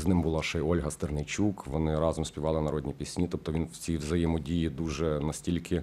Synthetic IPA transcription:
znɪmbʊlˠɑʃɛjɔlʲɦɐst̪ɪrnɪt͡ʃʲukʋɔnɪɾɑzɔmsʲpʲiʋɑlˠɪnɐɾɔd̪ʲnʲipʲisʲnʲit̪ɔp̚t̪ɔʋʲinwt͡sʲiʋzɐjɛmɔdʲijid̪uʒɛnɐsʲtʲilʲkʰɪ

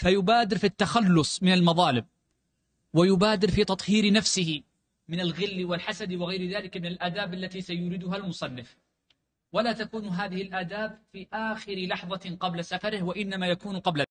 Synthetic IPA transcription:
fajʊbaːd̪ɪɾfit̪ːaxalːʊsˤmɪnalmɑðˤɑːlɪb | wajʊbaːd̪ɪɾfiːt̪ɑt̪ˤhiːɾɪnafsɪhɪ | mɪnalɣɪlːɪwɪlħasad̪wɪɣajɾðaːlɪkmɪnalʔaːd̪aːbʔalːat̪isajʊɾɪd̪ʊɦalmʊsˤɑnːɪf | walaːt̪akuːnɦaːðɪhɪlʔaːd̪aːbfiʔaːxɪɾɪlɑħðˤɑqɑblasafɑɾɪhwaʔɪnːamajakuːnqɑbla

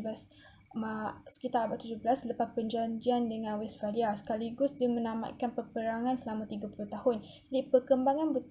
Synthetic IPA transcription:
blas | masə̥kit̪aɾabaʔt̪ud͡ʒʊhbəlasləpapənɲd͡ʒaɲd͡ʒiandəŋãnwɛsfaliasə̥kaliɡʊsdimə̃nama̰t̪̚kanpərpəɾaŋãnsəlamãt̪iɡapuluht̪ahʊn | d͡ʒadipərkəmbaŋanbət̪

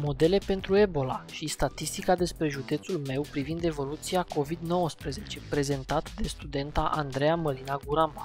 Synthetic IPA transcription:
mo̞d̪e̞le̞pe̞nt̪ɾue̞bo̞laʃist̪at̪ist̪ikad̪e̞spɾe̞ʒud̪e̞t̪sulme̞wpɾivind̪e̞vo̞lut̪siako̞vid̪no̞wəspɾəze̞t͡ʃe̞pɾe̞ze̞nt̪at̪d̪e̞st̪ud̪e̞nt̪aʔand̪ɾejaməlinaɡuɾama

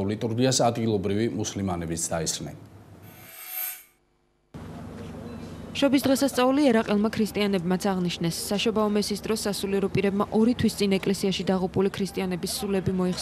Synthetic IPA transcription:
lit̪ʼuɾɡiasad̪ɡilˠɔbɾivimuslimanɛbisd̪aismɛ̰n | ʃɔbisd̪ʁɛsast̪sʼauliɛɾaqʼɛlˠmakʰɾist̪ʼianɛbmat̪sʰaʁniʃnɛsːaʃɔbaɔmɛsiːsd̪ɾɔsːasuliɛɾɔpʼiɾɛbmaʔɔɾit̪ʰwist̪sʼinɛkʼlɛsiaʃid̪aʁupʼulikʰɾist̪ʼianɛbisːulɛbimɔiχs

